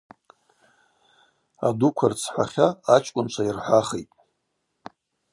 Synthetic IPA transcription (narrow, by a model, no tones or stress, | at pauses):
a̰dukʷʰart͡sʰħʷaχʲaːt͡ʃʰʼkʷʼʊnt͡ʃʷʰairħʷaχejtʼ